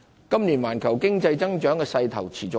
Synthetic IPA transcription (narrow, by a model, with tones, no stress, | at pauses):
kɐ˥mniː˨˩nwaː˨˩nkʰɐ˨˩wkɪ˥ŋt͡sɐ˧jt͡sɐ˥ŋt͡ʃœː˨˥ŋkɛː˧sɐ˧jt̪ʰɐ˨˩wt͡sʰiː˨˩t͡sʊ˨˧